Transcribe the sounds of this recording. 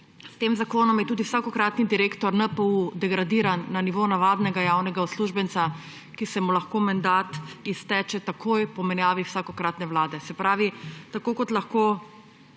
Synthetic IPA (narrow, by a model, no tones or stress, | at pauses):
st̪eːmzakoːnɔmjɛt̪uːd̪iwsaːkɔkɾaːt̪nid̪iɾeːkt̪ɔɾnəpəud̪ɛɡɾad̪iːɾanːaniʋonaʋaːd̪nɛɡajawnɛɡaɔsluʒbɛnsa | kisɛmulaxkomand̪at̪ist̪ɛt͡ʃɛt̪akʰojpɔmɛnjaːʋiwsaːkɔkɾaːt̪nɛwlaːd̪ɛsɛpɾaːʋit̪akoːkɔt̪laxkoː